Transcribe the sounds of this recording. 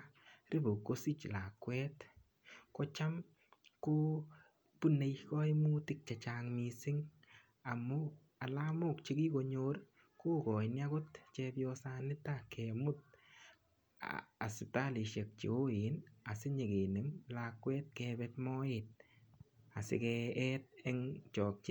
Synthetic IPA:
rɪ˦bo˨kːo˦si˦t͡ʃla˨kwɛ˦t | kɔ˦t͡ʃa˦m | ko˦ | pu˦ne˨jkɔ˦imu˦tɪ˦k̚t͡ʃa˨t͡ʃaːŋmi˧sɪ˦ŋ | a˨mʊ˦ | a˨lamʊ˦˨kt͡ʃi˦ki˦ko˧ɲo˦r | ko˦kɔ˨ɪ˨nja˦kʊ˦tt͡ʃɛ˧bjɔ˧sa˧nɪ˦takʰɛ˨mʊ˦t̚ | a̰˨sɪ˨ta˦li˨ʃe˨k̚t͡ʃḭ˨o˦ɪ˨na˨sɪ˦ɲe˨ɡe˨nɪ˨mlakːwɛ˦t̚kɛ˧bɛtmɔ˦ɪt̚ | a˨sɪ̰kɛ˧ɛ˦t̚ɛ˦ŋt͡ʃɔː˨k̚t͡ʃɪ˦

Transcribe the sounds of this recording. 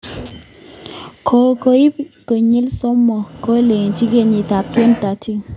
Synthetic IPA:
kʰo˨ko˨i˦pko˨ɲi˦lsɔ˦mɔ˨ko˦le˨ŋ˨t͡ʃi˦ke˦˨ɲi˨ta˨k̚twe˦nta˨ti˦ŋ

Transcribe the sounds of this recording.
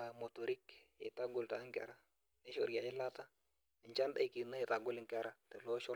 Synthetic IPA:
mo˨to˨ɾi˦kɪ̰˨ta˦ɡʊ˨lta˨˦ŋkɛ̰˦ɾa˦ | ne˦ʃo˦ɾja˨jɪ˦la˦ta˦˨ | ɲt͡ʃa˦nda˦i˨ki˨na˦i˨ta˨ɡʊ˦lɪ˨ŋkɛ˦ɾa˨tɛ˨lo˦ʃɔ˦

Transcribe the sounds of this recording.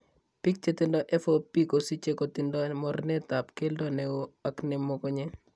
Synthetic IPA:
pi˦k̚t͡ʃe˦t̪ɪ˦ndɔ˦ʔɛ˦fo˦pi˦ko˨si˦t͡ʃe˦ko˨t̪ɪ˨ndɔ˦mɔ˦rnɛ˦t̪a˨pke˦ldɔ˦ne˨wo˦a˨kne˨mːo˦kɔ˦ɲe˦

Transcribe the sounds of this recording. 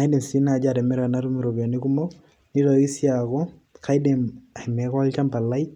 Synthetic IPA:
a˨i˦de˨msi˦na˨d͡ʒa˨ɾɛ˨mɛ˦ɾa˨na˦ɾu˦mi˨ɾo˨bja˨ni˦ku˦mɔ˦ | ni˦tɔ˨i˦sja˨kɔ˦ | kʰa˦jde˨ma˨i˨mɛ˨˦ka˦lt͡ʃa˦mpa˨la˦i

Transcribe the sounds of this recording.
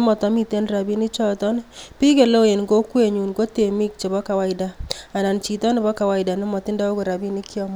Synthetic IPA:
mɔ˨tɔ˨˦mi˦te˦nɾa˨bi˦ni˦t͡ʃɔ˦tɔ˦npi˦ke˨lo˦je˨nɡo˦kwe˨ɲu˨nko˦te˨mi˦k̚t͡ʃe˨bɔ˦ka˨wa˦ɪ˨da˨a˨na˨nt͡ʃi˨tɔ˦nɪ˨bɔ˦ka˨wa˦ɪ˨da˨nɪ˦mɔ˨tɪ˦nda˦o˦ko˨ɾa˨bi˦ni˦kjɔ˦m

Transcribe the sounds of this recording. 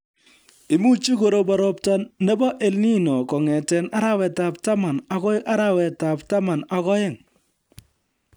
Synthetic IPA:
i˨mu˦t͡ʃi˦ko˨ɾo˦ba˨ɾɔ˦p̚ta˦nːe˦bɔ˦ʔe˨lni˦nɔ˨kɔ˨ŋɛ˨tɛ˨na˦ɾa˦wɛ˨ta˨p̚ta˦ma˨na˨kɔ˦ɪ˦a˦ɾa˦wɛ˨ta˨pta˦ma˨na˨kɔ˦ɪ˦˨ŋ

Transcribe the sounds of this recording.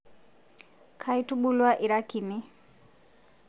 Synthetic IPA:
kʰai˦tu˦ɓu˦lwa˦ʔi˨ɾa˦ki˨ni˦

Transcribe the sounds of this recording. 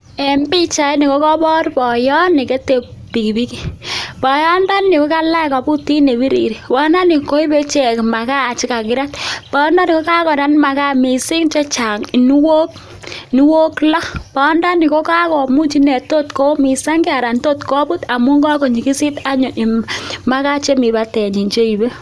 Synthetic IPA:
e˨mbi˦t͡ʃa˨i˦ni˨ko˦kɔ˦bɔ˦ɾpɔ˨jɔ˦nɪ˨ke˦te˨ppi˨ki˨bi˦ki˦pɔ˨jɔ˦nda˦ni˨ko˦ka˦la˦˨kɔ˨bu˦ti˦ne˨bi˦ɾḭ˨ɾi˨wɔ˦na˦ni˨ko˦i˦be˦t͡ʃe˨kma˨ka˦˨t͡ʃi˦ka˨kɪ˨˦ɾa˦tpɔ˦nda˦ni˨ko˦ka˦kɔ˨ɾa˦nma˨ka˦mi˨si˦ŋt͡ʃe˦t͡ʃa˨ŋi˨ni˦wo˦k̚ | ni˦wo˦klɔ˦pa˨ɔ˦nda˦ni˨ko˦ka˦kɔ˨mu˦t͡ʃi˦nɛ˨to˦tko˦mi˨sa˦ŋɡi˦a˨ɾa˨nto˦tkɔ˦bu˦ta˨mu˦ŋɡɔ˦ko˨ɲi˨ki˦si˦ta˦ɲo˨i˨ma˦ka˦t͡ʃe˦mi˨ba˦tɛ˨ɲi˨nt͡ʃe˦i˨be˦

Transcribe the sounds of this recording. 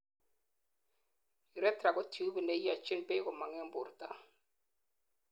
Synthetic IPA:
i˨ɾɛ˦tɾa˨ɡɔ˦tju˦bne˦ja˨t͡ʃɪ˦nbe˦kɔ˨ma˨ŋɛ˦m˦bʊ˨ɾta˦

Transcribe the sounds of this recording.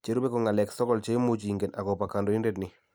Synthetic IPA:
t͡ʃe˨ɾu˦be˦kɔ˨ŋa˨lɛ˨ksɔ˦kɔ˦lt͡ʃe˦mo˦t͡ʃi˨ŋɡe˨na˨kɔ˨pa˨ka˨ndɔ˨i˦nde˦tnɪ˨

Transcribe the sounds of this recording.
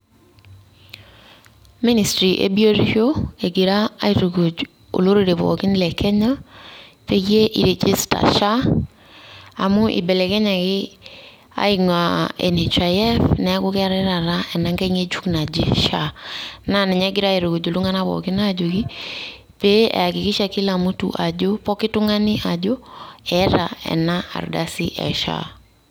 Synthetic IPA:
mi˦ni˨stɾi˨ʔḛ˦bi˦o˦ɾi˦ɣjo˦e˨ɡi˨ɾaː˦i˨ɾo˨ɡu˨d͡ʒ | o̰˨lo˦ɾo˨ɾe˨βɔ̰˨ki˦ni˦lɛ˨kɛ˦ɲa˦ | pe˦ɣje˦ʔi˨ɾe˨d͡ʒe˦sta̰˨ʃa˦ | a̰˨mu˦ʔḭ˨bɛ˨lɛ˨kɛ˦ɲa˨kɪ˦ | a̰˨˦iŋa˨ɛ̰˨ne˨t͡ʃa˨jɛ˦fnɛ˨a˦ko˦kɛ˦a˦ɾɛɾa˨ɾa˦ʔɛ˨na˦ŋɡɛ˦ŋe˦t͡ʃu˦kna˨d͡ʒi˦ʃana˨nɛ˨ɲɛ˦ɡɪ˦ɾa˦e˨ɾo˨ko˨d͡ʒo˨lu˦ŋa˦na˦βɔ̰˨kɪ˦nad͡ʒo˨kɪ˦ | pe˦ʔɛ̰˨a˨kɪkɪ˦ʃakɪ˦la˨mu˦tṵʔa˨d͡ʒo˦pɔ˦kɪ˦tʊ˦ŋa˦nɪ˦ʔa˨d͡ʒo˦ɛɾa˨ɛ̰˨naa̰˨ɾdasi˦ʔɛ̰˨ʃa̰

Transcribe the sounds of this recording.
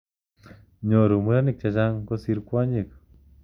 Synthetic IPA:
ɲo˨ɾu˨mu˧˦ɾa˦ni˦˨k̚t͡ʃa˨t͡ʃa˦ŋko˦si˧ɾkwa˦ɲi˨k

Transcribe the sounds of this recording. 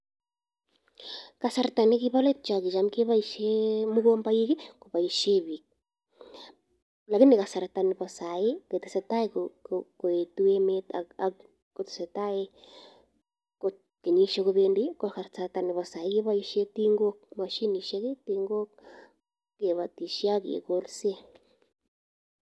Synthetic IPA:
ka˨saɾta˨ne˦ki˦βa˦le˦t͡ʃa˨ki˨t͡ʃa˨mke˦βa˦i˦ʃemu˦ɣoː˦mba˦i˦ɣe˦ko˨βa˨i˨ʃe˦βi˨k̚ | la˨ki˦neɣa˨sa˨ɾata˨ne˨βa˨sa˨e˦ke˨te˨se˨ta˦e˦koko˨e˨tu˦e˦metaa | ko˨te̥˨se˨ta˦e˦ | ko | ke˨ɲi˦ʃo˦ɣo˧βende˦ko˨a˨ɾsa˨ɾata˨ni˨βa˨sa˨e˦ɣe˦βa˦i˦ʃe˦ti˦ŋɡo˦kma˨ʃi˦ni˨ʃe˦ɣe˦tiŋɡo˦ | ke˨βa˨ti˨ʃi˦a˦ɣḛ˨ko˦ɾse˦

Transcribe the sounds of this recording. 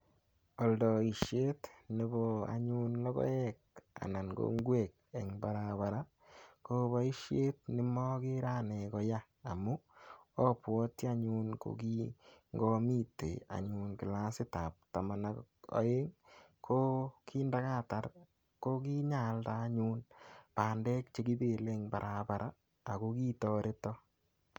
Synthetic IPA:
ɔ˨ldɔ˨i˨ʃje˦tne˦bo˨a̰˨ɲu˦nlɔ˦kɔ̰˦ɛ˦k̚a̰˨na˨nɡo̰˦ŋɡwe˦˨k̚e˨ŋba˨ɾaβa˨ɾa˦ | ko˦βa˦i˦ʃje˦t̚nɪ˦mɔ˦kɪ˦ɾa˦ne˨kɔ˨jaː˦˨mu˦ɔ˦pwɔ˦ti˦a˦ɲu˦nko̰˨ki˦ŋɡɔ˦mi˦tḛ˨a̰˨ɲu˨nkɪ˨la˦sɪ˦ta̰˨p̚ta˨ma˨na˨ɔ̰˨˦e˦ŋ | kʰo˦kʰi˦nda˦ka˦ta˨r | ko˦ki˦ɲa˨lta˦ɲu˦npa˨ndɛ˦k̚t͡ʃe˦ki˦be˨le˦ŋba̰˨ɾʔa˨ba˨ɾʔaː˦˨ | ko˦ki˦tɔ˨ɾe˦tɔ˦

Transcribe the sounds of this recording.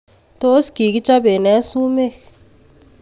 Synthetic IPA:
t̪o˦sɡ̥i˨ki˦t͡ʃa˦be˨nɛ˦su˦me˦

